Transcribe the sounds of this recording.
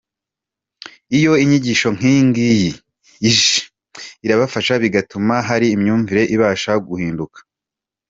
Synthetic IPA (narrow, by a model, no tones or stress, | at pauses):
ijo̞iɲiɟiʃo̞ŋ̥hiːŋɡijiː | ʒ | iɾaβafaʃaβiɡatumaɦaɾiːmɲuːɱviɾe̞ʔiβaːʃaɡuhiːndukḁ